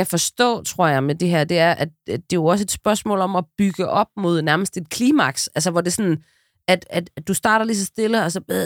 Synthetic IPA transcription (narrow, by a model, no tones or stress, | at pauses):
æfɒ̽sd̥ɔ̰̽ːt͡sʰʁo̝ɐ̰jɑ̈ɪmed̥eɦæɐ̰d̥e̝æɐʔæd̥d̥e̝jo̝ɒ̽s̬əe̝d̥sb̥ɶɐsmɔ̰̽ːlɒ̽mɒb̥yɡ̥əʔɒ̽b̥̚mo̝ð̞ˠnæɐməsd̥e̝d̥kʰliːmɑ̈ɡ̥sælsəʋɒd̥e̝sɒ̽n | æd̥æd̥d̥usd̥ɑ̈ːɾɐlis̬ɒ̽sd̥e̝ləɒ̽sɒ̥̽e